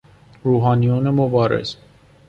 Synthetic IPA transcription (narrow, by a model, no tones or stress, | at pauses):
ɾuːɦɑːnijonemobɒːɾḛz̥